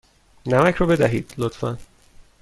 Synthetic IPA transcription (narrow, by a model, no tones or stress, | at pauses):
næmæcʰɾɒːbe̞d̪æɦḭːd̪̥lot̪fæ̰n